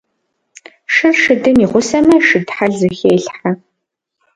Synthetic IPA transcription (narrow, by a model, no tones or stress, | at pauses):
ʂɨrʂɨdɨmiʁʷʊsɐmɐʂɨdħaɮzɨxeːɬħa